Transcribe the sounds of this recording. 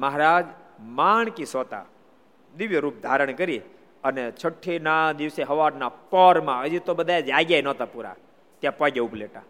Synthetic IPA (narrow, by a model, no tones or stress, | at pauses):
məɦɾad͡ʒmaɳkisɔt̪a̰ | d̪iʋjeɾuːp̚d̪ʱaɾəɳ̃kəɾi | ənet͡ʃʰəʈʰːinad̪iʋseɦəʋaɾnapɔɾmãəd͡ʒit̪obəd̪ʱaed͡ʒaɡjajnɔt̪apuɾa̰ | t̪jãpɔɡeupleʈa̰